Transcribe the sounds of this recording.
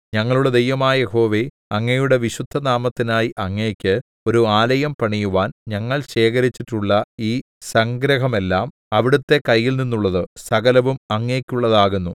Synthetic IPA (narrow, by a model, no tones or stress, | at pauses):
ɲɐŋːɐɭuɭɐd̪ejʋɐmaːjɐjeho̞ːʋe̞ | ɐŋːejuɽe̞ʋiɕud̪ʱːɐnaːmɐt̪ːinaːjiʔɐŋːeːkʲːɨ | o̞ɾuaːlɐjɐmpɐɳijuʋaːnɲɐŋːɐɭɕe̞ːkɐɾit͡ɕːiʈːuɭːɐiː | sɐŋɡɾɐɦɐme̞lːaːm | ɐʋiɽut̪ːe̞kɐjːilninːuɭːɐðɨsɐɣɐlɐʋumɐŋːe̞ːkʲːuɭːɐðaːɣunːu